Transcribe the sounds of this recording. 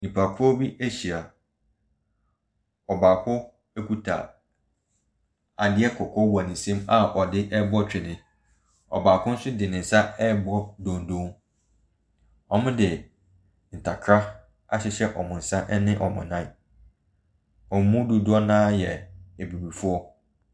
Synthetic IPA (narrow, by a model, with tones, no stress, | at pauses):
nĩ˨pʰa˨kʰʊ˦ɔ˦bi˦ʔe˦ɕi˨a˨ | ɔ˨baː˨kʰʊ˦ | e˦kʰu˦tʰa̰˨ | a˨dɪ˦ɛ˦kʰɔ˨kʰɔ˦wa˨nĩ˨sẽ˦ma˦˨ʔɔ˨dɪ˦ʔɛ˦bɔ˦t͡ɕʰᶣɪ˨nɪ̃˨ | ɔ̰˨baː˨kʰʊ̃˦n̩˦sʊ˦dɪ˨nɪ̃˨n̩˨sa˦ɛ˦bɔ˦dõ˨ndõ˦ŋ | ɔ˨mʊ̃˦dɪ˨ | n̩˨tʰa˨kʰɾa˦ | a˦ɕɛ˨ɕɛ˦ʔɔ˨mʊ̃˨n̩˨sã˦ʔɛ˦nɪ̃˦ʔɔ˨mʊ̃˨nã˦ | ɔ˨m˨˦mũ˦du˨dʊ˦ɔ˦nãː˦jɛ˨e˨bi˨bi˨fʊ˦ɔ˦